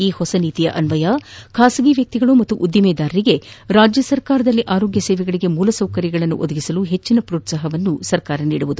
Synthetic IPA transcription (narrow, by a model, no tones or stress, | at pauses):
iːhɔsɐniːt̪ijɐʔɐnʋɐjakʰaːsɐɡiʋjɐk̚t̪iɡɐɭumɐt̪ːuʔud̪jimɛːd̪aːɾɐɾiɡe̞ɾaːd͡ʒjɐsɐɾkaːɾɐd̪ɐlːiʔaːɾo̞ːɡjɐsɛːʋɛɡɐɭiɡe̞muːlɐsɐwkɐɾjɐɡɐɭɐnːṵʔod̪ɐɡisɐluɦe̞t͡ʃːinɐpɾoːt̪saːɦɐʋɐnːusɐɾkaːɾɐniːɽuʋud̪u